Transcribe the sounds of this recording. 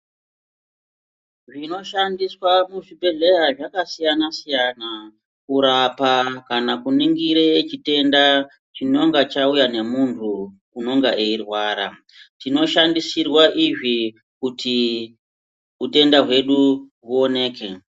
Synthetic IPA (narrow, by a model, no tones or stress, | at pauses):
ʐino̞ʃandiswamuʐibʱe̞ɮe̞jaʐakasijanasijana | kuɾapakanakuniŋɡiɾet͡ʃite̞nda | t͡ʃino̞ŋɡat͡ʃaujane̞muntʰu | uno̞ŋɡaʔeirwaːɾa̰ | tino̞ʃandisirwaʔiʐi | kuti | ute̞ndaɦwe̞ɗuɦuo̞ne̞ːke